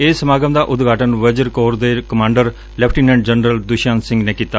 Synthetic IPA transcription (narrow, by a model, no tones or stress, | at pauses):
eːsəmaːɡəmd̪aːʔʊd̪ɡʱaːʈənʋəd͡ʒəɾkoːɾd̪eːkəmãːɳɖəɾ | lɛpʰʈiːnɛ̃ːɳɖd͡ʒənɾəld̪ʊʃãːnsɪ̃ŋɡneːkiːt̪aː